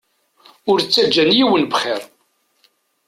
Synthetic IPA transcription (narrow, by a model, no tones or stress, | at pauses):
ʊɾt͡sːæd͡ʒːænjiwənbχeɾ